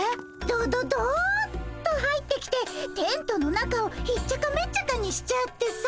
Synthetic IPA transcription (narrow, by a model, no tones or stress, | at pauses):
d̪oːd̪od̪ott̪ːoɦait̪ːe̞kʲi̥t̪e̞t̪ẽ̞nt̪o̞no̞nakao̞çitt͡ɕːakamet͡ɕak̪aɲ̟iɕi̥t͡ɕat̪ːe̞s